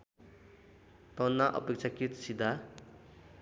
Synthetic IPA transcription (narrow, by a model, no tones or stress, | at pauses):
t̪ɔnːaʔʌ̰pek̚t͡ʃʰakit̪sid̪ʱa